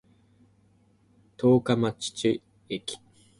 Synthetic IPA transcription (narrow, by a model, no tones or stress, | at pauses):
t̪ʰoːkamat͡ɕi̥t͡ɕi | ekʲi̥